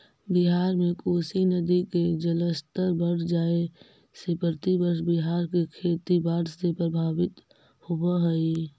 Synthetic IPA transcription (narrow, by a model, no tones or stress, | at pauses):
biɦaːɾmẽkoːsinəd̪iked͡ʒələst̪əɾbəɽ̤d͡ʒaːe | sepəɾt̪ibəɾʃbiɦaːɾkekʰeːt̪ibaːɾsepɾəbʱaːʋɪt̪ | hobəɦəi